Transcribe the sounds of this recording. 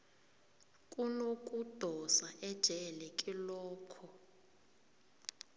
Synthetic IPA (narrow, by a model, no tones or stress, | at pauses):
kʼunokʼud̥ʱɔsaʔɛd̥ʒ̥ʱɛlɛkʼilɔːkʰɔ